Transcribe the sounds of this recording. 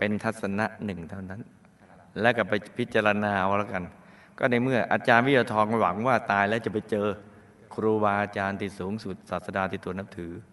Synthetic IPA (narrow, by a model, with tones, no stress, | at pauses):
pe˧nt̪ʰa˦˥t̪̚sa˧na˦˥ʔnɯ˨˩ŋt̪ʰa˥˩wna˦˥n | lɛ˦˥ka˨˩pa˧jpʰi˦˥t̪̚t͡ɕaː˧ɾa˧naː˧ʔwa˦la˦˥ka˧n | kɔ̰ː˥˩na˧jmɯ˥˩ɐʔaː˧t͡ɕaː˧nwi˥˩a˧t̪ʰɔː˧ŋkɔ˥˩wa˩˦ŋwaː˥˩t̪aː˧jlɛ˦˥wt͡ɕa˨˩pa˧jt͡ɕɤː˧ | kʰɾuː˧baː˧ʔaː˧t͡ɕaː˧nt̪ʰiː˨˩suː˩˦ŋsu˨˩t̪̚saː˨˩sa˧daː˧t̪ʰiː˧˩t̪u˧˩əna˦˥p̚t̪ʰɯː˩˦